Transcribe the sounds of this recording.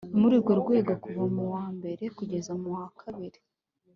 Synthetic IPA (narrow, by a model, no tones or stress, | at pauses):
umuɾiɾɡoɾɡwe̞ːɡokuvamuwaːmbe̞ɾe̞kuɟe̞zamuhakʰaβiɾe